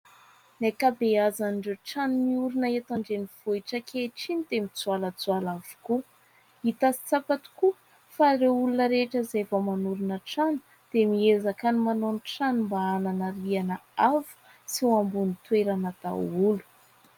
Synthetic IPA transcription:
nekabeazanɳɖ͡ʐeʈ͡ʂanimiuɾunaet̪aɳɖ͡ʐeniv̥oiʈ͡ʂəkʰeʈ͡ʂinid̪emit͡sualət͡sualavu̥ku | it̪asi̥t͡sapat̪u̥ku | faɾeulunəɾeʈ͡ʂəzevamanuɾunəʈ͡ʂanu̥ | d̪̥emiezakanimanonʈ͡ʂanimbaananaɾianəavu̥ | siuambunit̪weɾanat̪a̰ulu̥

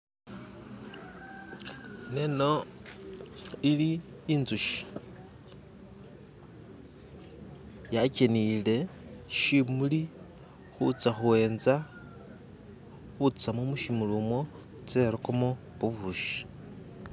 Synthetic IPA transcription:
neno | iliːnzuʃi̥ | jacenile̞ʃimuli | xut͡saxuwe̞ːnza | xut͡samomuʃimulumo | t͡se̞ɾokomo | βuβuʃi̥

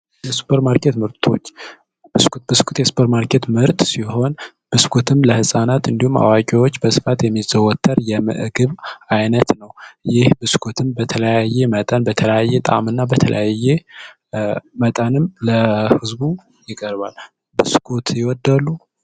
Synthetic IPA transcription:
jɛsu̥pʰəɾmaɾkʰet̪mɨɾt̪ʰo̞̰t͡ʃː | b̥ɨskbɨskʰut̪jɛsu̥pʰəɾmaɾkʰe̞t̪mɨɾt̪ʼsiho̞n | b̥ɨskʰot̪ʰɨmləhɨsʼanat̪ɨnd̪ihuma̰wakʼiwot͡ʃːbəsɨ̥fat̪jɛmːizəwɔt̪ʰːəɾjɛmɨ̰ʔɨɡɨβajnət̪nəwjɪhbɨskʰot̪ʰɨmbət̪ʰələjajːemət̪ʼənbət̪ʰələjajːɛt̪ʼa̰mɨnːabət̪ʰə̰lə̰jaje | mət̪ʼənɨmləhɨzbu | jɪkʼəɾba̰l | bɨskʰot̪ʰjɪwɔd̪ːalːu

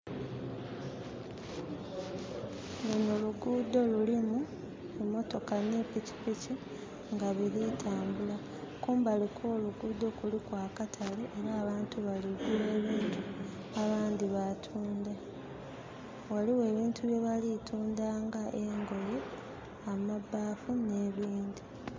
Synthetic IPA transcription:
ɡenoluɡuːdo̞lulimu | emo̞to̞kanipici̥pici | ŋɡaβiɾitʰaːmbula | kuːmbalikʰoːluɡuːd̪o̞kulikwaːkatʰaleʔeɾaːβaːntuβaliβiwe̞ːβiːntu | aβaːnd̪iβatʰuːnda | waliwe̞ːβiːntʰuβje̞βalitʰuːndaːŋɡaʔeŋɡo̞je | amabːaːfune̞ːβiːnd̪i

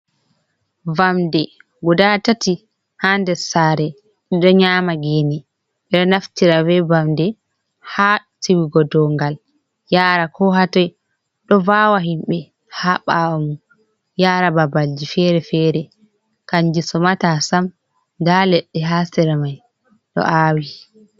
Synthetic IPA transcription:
vamdɛ | ɡudatati | handɛsaːɾɛ | ɗɔɲaːmaɡeːni | ɓɛɗɔnaftiɾavɛvamdɛ | ha | tʰiwiɡɔdɔŋɡal | jaɾakʰɔɦatɔj | ɗɔvaːwaɦimɓɛ | haɓawamu | jaːɾababald͡ʒifɛɾɛfɛːɾɛ | kaɲd͡ʒisɔmatasam | dalɛɗːɛɦasɛɾamaj | ɗɔ̰ʔaːwi

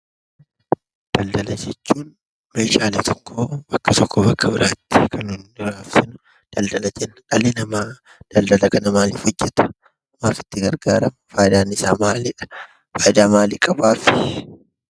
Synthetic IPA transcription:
d̪̥ɐld̪ɐlɐd͡ʒɛt͡ʃːuːn | meːʃaːlɛt̪ɔkːobɐkːɐt̪ɔkːɔbɐkʰːɐbɪɾʔaːt̪ːɪ̥kʰɐnʊnɪɾaːfsɪn | d̪̥ɐld̪ɐlɐd͡ʒɛnːɐᶑɐlɪnɐmaː | d̪̥ɐld̪ɐlɐkɐnɐmaːliːfhɔd͡ʒːɛt̪ɐ̥ | maːfɪ̥t̪ːɪɡɐɾɡaːɾɐmfaːjɪd̪aːnɪsaːmaːlɪᶑɐ̥ | faːjɪd̪aːmaːliːkʼɐbaːfɪ̥

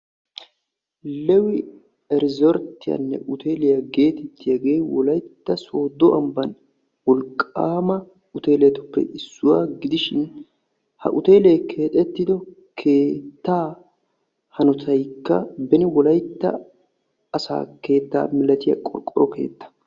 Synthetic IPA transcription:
lɛwɪ | ɛɾɪzɔɾt̪ːɪjɐ̰nːɛ̰ʔʊt̪ʰeːlɪjɐɡe̞ːt̪ɛt̪ːɪjɐɡeːwɔlɐjt̪ːɐso̞ːd̪ɔʔɐmbɐn | wɔlkʼːaːmɐ | ʊt̪e̞ːlɛjɐt̪ɔpːɛ̰ʔɪsːʊwaːɡɪd̪ɪʃɪn | hɐ̰ʔʊt̪e̞ːlɛjkʰe̞ːt̪ʼɛt̪ːɪd̪ɔkʰe̞ːt̪ːaː | hɐnɔt̪ʰɐjkːɐbɛnɪwɔlɐjt̪ːɐ̰ | ɐsa̰ːke̞ːt̪ːa̰ːmɪlɐt̪ɪjɐ̰kʼɔ̰ɾkʼːɔɾɔke̞̰ːt̪ːɐ̥

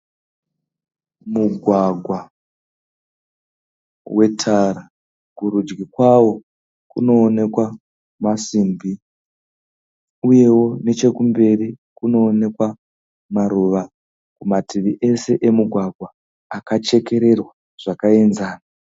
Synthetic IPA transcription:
muɡʱwaɡʱwa | wʔe̞tʰaɾa | kurud͡ʒɡikwawo̞ | kṵno̞ːne̞kwa | masimbʱi | uje̞wo̞ne̞t͡ʃe̞kumbe̞rikuno̞ːne̞kwa | maɾuʋa | kumatiʋiʔe̞se̞ʔemuɡʱwaɡʱwaː | kat͡ʃe̞ke̞ɾe̞rwa | ʐ̥akae̞nzaːna

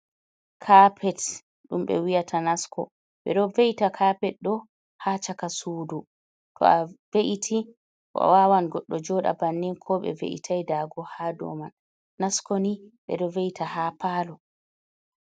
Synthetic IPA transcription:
kʰaːpʰɛt | ɗumɓɛ̰wijatʰanaskʰɔ̰ | ɓɛ̰ɗɔveʔitakʰapɛt̚ɗɔ | hat͡ʃakasuːdu | tɔ̰aveʔitʰi | ʔɔ̰wawanɡɔɗːɔd͡ʒɔɗa̰banːinkʰɔɓɛ̰vḛʔḭtʰajdaɡɔhadɔ̰manː | askɔniɓɛ̰ɗɔveʔitahaːpaːlɔ

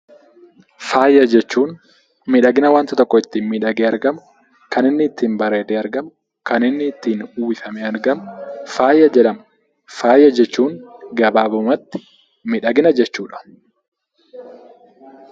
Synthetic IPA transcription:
faːjːɐd͡ʒɛt͡ʃːuːn | mɪᶑɐɡɪnɐwaːnt̪ɐt̪ɔkːɔɪt̪ːiːnmɪᶑɐɡeːɐɾɡɐmʊ | kɐnɪnːɪːt̪ːiːnbɐɾeːd̪eːɐɾɡɐmʊ | kɐnɪnːɪːt̪ːiːnuːwɪfɐmeːɐɾɡɐmʊfaːjːɐd͡ʒɛᶑɐm | faːjːɐd͡ʒɛt͡ʃːuːŋɡɐbaːbʊmɐt̪ːɪ̥ | mɪᶑɐɡɪnɐd͡ʒɛt͡ʃːuːᶑɐ̥

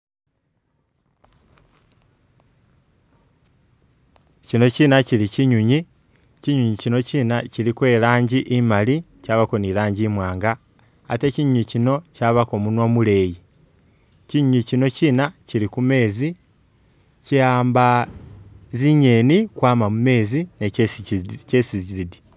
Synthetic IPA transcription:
cino̞ciːnaciɾiciɲuɲi | ciɲuɲicino̞ciːnaciɾikwe̞ːɾaːɲɟiʔimali | caβako̞niɾaːɲɟimwaːŋɡaː | te̞ciɲuɲicino̞caβako̞munwamule̞ːji | ciɲuɲicino̞ciːnaciɾikume̞ːzi | caːmba | ziɲe̞nikwaːmamume̞ːzine | cesiziɾidi

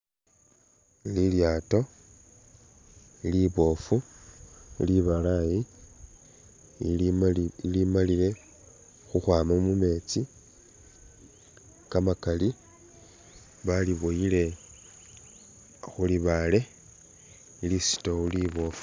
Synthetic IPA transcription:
liljaːto̞ | iliβo̞fu | liβalaji | limalile̞ | xuxwaːmamume̞t͡si | kamakali | βaliβojile̞ | xuliβale̞ | ilisi̥touliβo̞fu̥

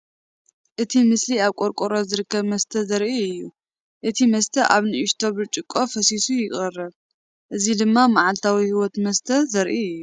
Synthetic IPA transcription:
ʔɨt̪ʰimɨsliaβkʼoɾkʼoɾo̞zɨɾɨkʰːɐβmɐst̪ʰɐzɐɾʔiɨjːu | ʔɨt̪ʰimɐst̪ʰɐʔaβnɨʔɪʃt̪ʰo̞βɨt͡ʃʼɪkʼːo̞fɐsisujɪχʼɐrːɐβ | ʔɨzid̪ɨmːamaʕalt̪ʰawihiwɔt̪mɐst̪ʰɐzɐɾʔiɨjːu

